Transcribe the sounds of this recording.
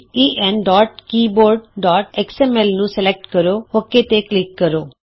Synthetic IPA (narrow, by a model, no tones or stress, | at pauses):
iːʔɛːnɖɔːʈkiːboːɾɖ̚ɖɔːʈɛksɛːmɛlnũːsɛlek̚ʈkəɾoːhoːket̪eklɪkːəɾoː